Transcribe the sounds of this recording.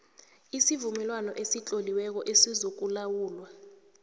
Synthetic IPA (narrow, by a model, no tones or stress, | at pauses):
isivumɛlwanɔʔesit͡ɬʼoliwɛk̬ɔʔesizok̬ulawuːlwa